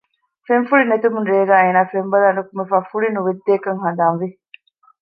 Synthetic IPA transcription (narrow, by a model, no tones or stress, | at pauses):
fenfuɭinet̪umunɾeːɡæːeːnaːfembɐlaːnukumefaːfuɭinuʋed̪ːeːkɐŋɦɐd̪aːnʋi